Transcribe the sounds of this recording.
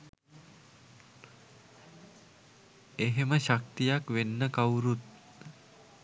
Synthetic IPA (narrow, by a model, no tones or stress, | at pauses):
eɦeməʃak̚t̪ijakʋenːəkawɾut̪̚